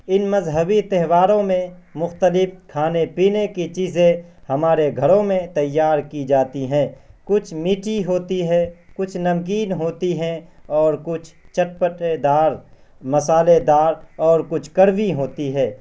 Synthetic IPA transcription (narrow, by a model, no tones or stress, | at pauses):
ɪnmɐzɦəbit̪ɛɦʋaːɾõmẽ | mʊxt̪əlɪfkʰaːnepiːnekit͡ʃiːzẽhɐmaːɾeɡʱɐɾõmẽt̪ɐjːaːɾkid͡ʒaːt̪iɦɛ̃ːkʊt͡ʃʰmiːʈiɦoːt̪iɦɛkʊt͡ʃʰnɐmk̬iːnɦoːt̪iɦɛ̃ɔːɾkʊt͡ʃʰt͡ʃɐʈ̚pəʈed̪aːɾ | mɐsaːled̪aːɾɔːɾkʊt͡ʃʰkəɾʋiɦoːt̪iɦɛː